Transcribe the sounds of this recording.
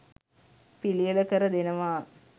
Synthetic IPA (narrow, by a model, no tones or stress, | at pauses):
pilijələkəɾəd̪enəʋaː